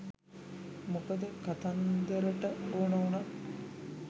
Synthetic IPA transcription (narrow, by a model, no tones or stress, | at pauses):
mukəd̪əkat̪and̪əɾəʈəoːnəuna